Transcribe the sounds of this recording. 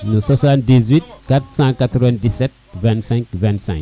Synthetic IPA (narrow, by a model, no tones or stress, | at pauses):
nusasãndizwit̪̚kat̪ɾsãkːat̪ɾɔvɛ̃ndisɛt̪̚vɛ̃ntsɛ̃ŋkvɛ̃nt̪sɛ̰̃ŋk